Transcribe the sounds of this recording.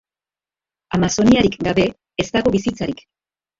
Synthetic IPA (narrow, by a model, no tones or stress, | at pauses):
amaso̞niaɾikɡaβe̞ | est̪aɣo̞βisit͡saɾik